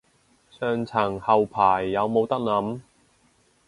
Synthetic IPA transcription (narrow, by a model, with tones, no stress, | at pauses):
sœː˨ŋt͡sʰɐ˨˩ŋhɐ˨wpʰaː˨˩jːɐ˨˧wmo˨˧wt̪ɐ˥k̚nɐ˨˥m